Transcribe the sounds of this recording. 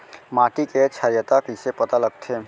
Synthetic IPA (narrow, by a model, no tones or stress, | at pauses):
maːʈiket͡ʃʰaːjət̪akɪsepɐt̪alɐɡ̚t̪ʰeː